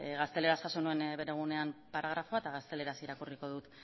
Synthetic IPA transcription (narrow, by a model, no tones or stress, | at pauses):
ɣast̪e̞le̞ɾasʝaso̞nue̞nbe̞ɾe̞ɣ̞une̞ampaɾʔaɣ̞ɾafo̞aet̪aɣ̞ast̪e̞le̞ɾasiɾakuriko̞ðut̪